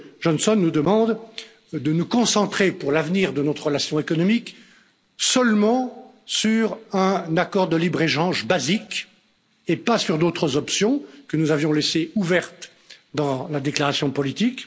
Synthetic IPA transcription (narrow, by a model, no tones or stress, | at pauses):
ʒɔnsɔnːud̪əmɑ̃d̪ | d̪ənukɔ̃sɑ̃t̪χepuʁlavniʁd̪ənɔt̪χʁəlasjɔ̃ekɔnɔmik | sœlmɑ̃ | syʁɛ̃nakɔʁd̪əlibʁeʃɑ̃ʒbazik | epasyʁd̪ot̪χəzɔpsjɔ̃kənuzavjɔ̃leseuvɛʁt̪ | d̪ɑ̃lad̪eklaʁasjɔ̃pɔlit̪ik